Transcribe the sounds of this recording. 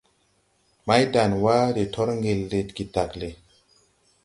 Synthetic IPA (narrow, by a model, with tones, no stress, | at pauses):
ma˦jda˨nwa˦ɾe˨tʰɔ˦ɾŋɡe˨lːe˨tki˨ta˨kle˨